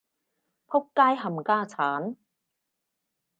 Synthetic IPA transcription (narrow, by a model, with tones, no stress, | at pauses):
pʰʊ˥kːaː˥jɦɐ˨mkaː˥t͡sʰaː˨˦˥n